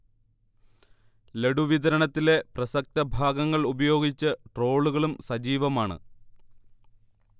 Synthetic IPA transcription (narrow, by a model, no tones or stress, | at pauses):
le̞ɽuʋid̪ɐɾɐɳɐt̪ːile̞prɐsɐk̚t̪ɐbʱaːɡɐŋːɐɭubɐjo̞ːɡit͡ɕːɨʈro̞ːɭuɣɐɭumsɐd͡ʑiːʋɐmaːɳɨ̰